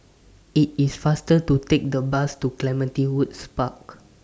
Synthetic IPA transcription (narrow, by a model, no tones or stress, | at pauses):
it̚isfastətutek̚dəbastuklɛmə̃ntiwudspak